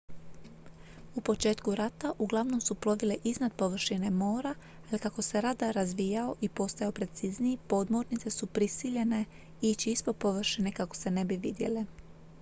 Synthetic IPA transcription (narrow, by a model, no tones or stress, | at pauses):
upo̞t͡ʃe̞ːt̪kuɾat̪aʔuɡlˠaʋno̞msuplˠo̞ʋile̞ʔiznad̪po̞ʋr̩ʃine̞mo̞ːɾa | alikako̞se̞ɾad̪aɾazʋijao̞ʔipo̞st̪ajaopɾe̞t̪sizniipo̞d̪mo̞ɾnit̪se̞supɾisiʎe̞ne̞ | it͡ʃiispod̪̚po̞ʋr̩ʃine̞kako̞̥se̞ne̞biʋid̪je̞̰le